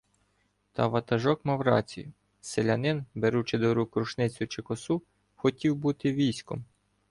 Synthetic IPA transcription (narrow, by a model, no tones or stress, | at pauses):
t̪ɑʋɐt̪ɐʒɔkmɐwɾɑ̰t͡sʲḭjʊ | selʲɐnɪnbeɾut͡ʃɪd̪ɔɾukɾʊʃnɪt͡sʲʊt͡ʃɪkɔsu | xɔtʲiwbut̪ɪʋʲijsʲkɔ̰m